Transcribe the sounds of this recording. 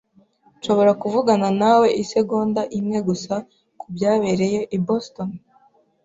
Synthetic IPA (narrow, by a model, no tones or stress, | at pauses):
ʃo̞βo̞ɾakuvuɡananawe̞ʔise̞ɡo̞ːndaʔimŋe̞ɡusa | kubjaːβe̞ɾe̞jo̞ʔibosto̞n